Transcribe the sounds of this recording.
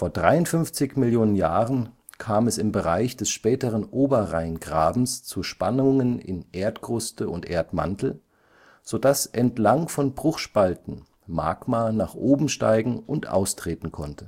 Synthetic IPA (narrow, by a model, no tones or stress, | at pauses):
foːɐdʁaɪʊntfʏnft͡sɪçmɪljoːnənjaːʁən | kʰaːmɛsɪmbəʁaɪçd̥ɛsʃpɛːtəʁənʔoːbɐʁaɪnɡʁaːbm̩st͡suʃpanʊŋənɪ̰nʔeːɐtɡ̥ʁʊstəʊntʔḛːɐtma̰ntl̩ | z̥odasʔɛntlaŋfɔnbʁʊχʃpaltn̩ | ma̰ːɡmanaːχʔoːbm̩ʃta̰ɪɡŋ̩ʔʊntʔa̰ʊstʁ̥eːtn̩kʰɔntʰə̥